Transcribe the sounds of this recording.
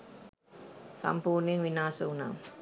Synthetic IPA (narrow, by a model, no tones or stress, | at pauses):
sa̰mpuːniŋʋinaːsəuna̰m